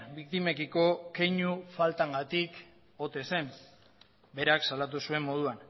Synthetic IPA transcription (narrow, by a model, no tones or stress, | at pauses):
bik̚t̪ime̞kiko̞kejɲufalt̪aŋɡat̪ik | o̞t̪e̞se̞m | be̞ɾaksalat̪̬usue̞mːo̞ð̞uan